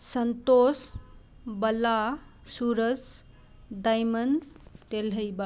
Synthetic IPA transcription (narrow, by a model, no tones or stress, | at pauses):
sənt̪os | bəla | suɾəd͡z | d̪ajmənt̪elɦəjba